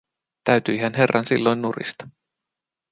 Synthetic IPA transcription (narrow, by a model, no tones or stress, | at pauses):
t̪æɥt̪yjɦænɦe̞rːʔɑnsilːo̞jnːurḭst̪ɑ̥